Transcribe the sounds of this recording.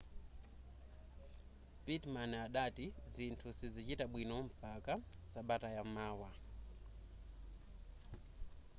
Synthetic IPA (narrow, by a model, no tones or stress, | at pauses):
pitmanaɗatizintʰusizit͡ʃitaɓwinɔm̩paka | saɓatajammaːwa